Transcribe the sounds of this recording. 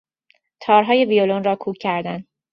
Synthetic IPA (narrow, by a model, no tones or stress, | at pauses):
t̪ʰɒːɾɦɒːje̞vijolonrɒːkʰuːcʰːæɾd̪æn